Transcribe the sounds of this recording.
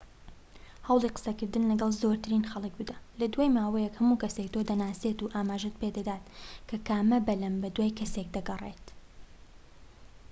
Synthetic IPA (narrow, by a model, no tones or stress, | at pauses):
hɐwlˠiqə̥sɐkɨɾd̪ɨnlɐɡɐlˠzoɾt̪ʰɨɾiːnxɐlˠɨk̚bɨd̪alɐd̪waːjmaːwɛjɛkhɐmukɐsekt̪ʰod̪ɐnaːset̪uʔaːmaːʒet̪̚ped̪ɐd̪aːt̪kʰɐkaːmɐbɐlɐmbɐd̪waːjkʰɐsek̚d̪ɐɡɐrḛt̪